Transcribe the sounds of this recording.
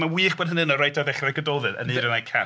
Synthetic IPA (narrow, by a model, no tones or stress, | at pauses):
mawiːχb̥ɔd̚ənɪnɔrajtʰɔðɛχrɛɡədɔːðɨnə̰niɾənajkʰa̰